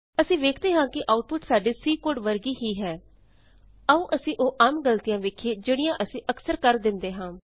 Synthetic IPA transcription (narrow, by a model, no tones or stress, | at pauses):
əsĩːʋeːkʰd̪eːɦãːkɪʔaːʊʈ̚pʊʈsaːɖiːsiːkoːɖʋəɾɡiːɦiːɦɛː | əũːʔəsĩːʔoːʔaːmɡəlt̪ijãːʋeːkʰieːd͡ʒeːɽijãːʔəsĩːʔəksəɾkəɾd̪ɪnd̪eːɦãː